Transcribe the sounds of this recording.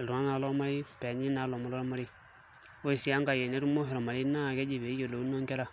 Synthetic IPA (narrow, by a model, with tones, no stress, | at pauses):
lɾu˨ŋa˦na˨˦lɔ˦ma˦ɾi˦pɛ˨ɲi˦na˨˦lɔ˨ma˦lɔ˦ɾɔ˦ma˦ɾi˦ | o˦i˨si˦a˦ŋɡa˨je˨ne˦ɾu˦mo˦ɦi˨ɾɔ˨ma˨ɾi˦na˦˨kɛ˦d͡ʒi˨βe˨˦je˨lo˨u˦no˦ŋkɛ˦ɾa˦˨